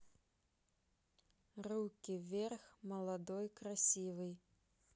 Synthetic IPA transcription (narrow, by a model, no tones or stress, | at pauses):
rukʲivʲɛrxmɐlˠad̪ɔjkɾasʲivɨj